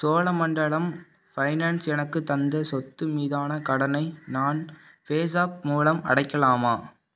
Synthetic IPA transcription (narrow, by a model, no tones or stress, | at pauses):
soːlɐmɐɳɖɐɭɐm | fɐɪnaːnsɛnɐkːɯt̪ːɐnd̪ɐsɔt̪ːɯmiːðaːnɐkɐɽɐnɐɪnaːn | feːs̬aːp̚muːlɐmɐ̰ɽɐɪkːɐlaːmaː